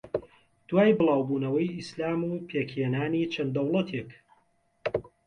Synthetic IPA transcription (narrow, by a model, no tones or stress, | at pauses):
d̪̥waːjbɨlˠɑːwbuːnɐwɐjʔislaːmuːpʰeːkhenaːniːt͡ʃʰɐnd̪ɐwlˠɐt̪ʰek